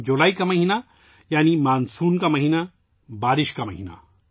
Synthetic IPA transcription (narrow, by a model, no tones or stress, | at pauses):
d͡ʒolaːikamɐɦina | jaːnimaːnsuːnkamɐɦiːna | baːɾiʃkamɐ̰ɦiːna̰